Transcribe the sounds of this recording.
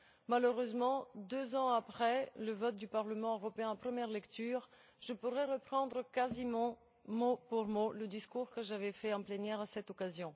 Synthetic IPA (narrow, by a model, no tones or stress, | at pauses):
maløʁøzmɑ̃d̪øzɑ̃apχɛləvɔt̪̚d̪ypaʁləmɑ̃øʁɔpeɛ̃ɑ̃pχəmjɛʁlɛkt̪yːʁ | ʒəpuʁɛʁəpχɑ̃d̪ʁəkazimɑ̃ | mopuʁmoləd̪iskuʁkəʒavɛfɛɑ̃plɛnjɛʁasɛt̪ɔkazjɔ̃